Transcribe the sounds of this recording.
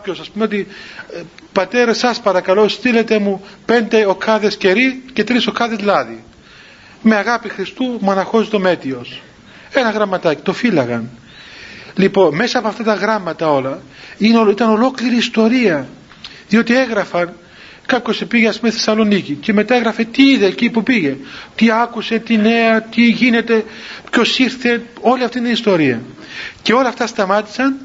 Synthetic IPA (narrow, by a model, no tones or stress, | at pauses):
kɐpço̞sɐspumeot̪i | pɐt̪e̞ɾɐsɐspɐɾɐkɐlo̞st̪ile̞t̪e̞mupe̞nd̪e̞o̞kːɐðe̞sce̞ɾice̞t̪ɾiso̞kɐðe̞zlɐði | me̞ɐɣɐpixɾist̪umuɐnɐxo̞zit̪o̞me̞t̪io̞s | e̞nɐɣɾɐmɐt̪ɐci̥t̪o̞filɐɣɐn | lipo̞nme̞sɐːpoɐft̪ɐt̪ɐɣɾɐmɐt̪ɐo̞lɐ | ineoit̪ɐno̞lo̞kliɾiːst̪o̞ɾiɐ | ðio̞t̪ie̞ɣɾɐfɐn | kɐpço̞sepiʝeɐspumeθe̞sɐlo̞nicice̞me̞t̪ɐeɣɾɐfe̞t̪iiðe̞cipupiʝe̞t̪iɐkuse̞t̪ine̞ɐt̪iʝine̞t̪e̞pço̞siɾθe̞o̞liɐft̪iit̪ɐnist̪o̞ɾiɐ | ce̞o̞lɐft̪ɐst̪ɐmɐt̪i̥sɐn